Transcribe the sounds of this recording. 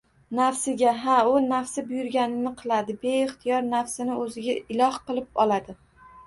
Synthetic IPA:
nafsɪɡʲaɦaʊnafsɪbʊjʊɾɡʲanɪnɪqʰɨlˠad̪ɪbe̞ɪχt̪ʰɪjɒɾnafsɪnɪɵzɪɡʲaɪlˠɒhqɨlˠɪp̚ɒlad̪ɪ

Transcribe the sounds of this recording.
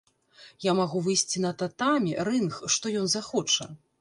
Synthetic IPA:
jamaɣuvɨjsʲt͡sʲinɐt̪at̪amʲirɨnxʂt̪ɔjɔnzaxɔt͡ʂɐ

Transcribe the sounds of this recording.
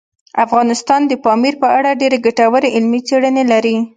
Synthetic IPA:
afɣɑnɪst̪ɑnd̪əpɑmiɾpəaɽaɖeɾeɡaʈawəɾeʔɪlmit͡seɽənelaɾi

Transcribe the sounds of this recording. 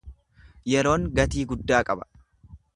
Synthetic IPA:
jɛɾo̞ːŋɡɐt̪iːɡʊd̪ːaːkʼɐbɐ̥

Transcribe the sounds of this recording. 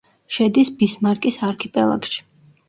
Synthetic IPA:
ʃɛd̪isbismaɾkʼisaɾkʰipʼɛlˠa̰kʃi̥

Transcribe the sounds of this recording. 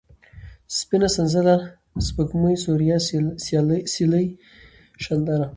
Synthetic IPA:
spɪnasanzala | spəkməjsuɾja | siləj | ʃand̪aɾa

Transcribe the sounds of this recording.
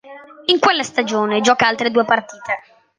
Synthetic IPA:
iŋkwelːast̪ad͡ʒoːned͡ʒɔːkaalt̪ɾed̪uːepart̪iːt̪e

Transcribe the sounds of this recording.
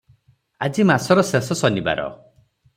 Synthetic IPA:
a̰d͡ʒimasɔɾɔsesɔsɔniba̰ɾɔ̰

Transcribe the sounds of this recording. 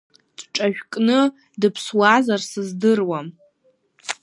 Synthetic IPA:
t͡sʷʼʈ͡ʂʼaʒᶣkʼnɨ | dɨpʰswazarsɨzdɨrwam

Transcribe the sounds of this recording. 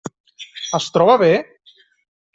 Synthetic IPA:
əst̪ɾɔβaβe

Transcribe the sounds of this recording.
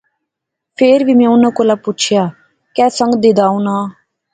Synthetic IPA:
pʰeːɾʋiːmɛ̃ːʊnãːkoːlaːput͡ʃʰɪjaː | kɛːsə̃ŋɡd̪ɪd̪aːũːnaː

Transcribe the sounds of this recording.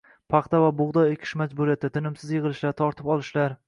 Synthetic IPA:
pʰɑχt̪avabʊʁd̪ɒekʲʰɪ̥ʃmad͡ʒbuɾijat̪ʰːat̪ʰɪnɪmsɪzjɨʁɨlˠɪʃlaɾt̪ʰɒɾt̪ʰɪpɒlˠɪʃlaɾ

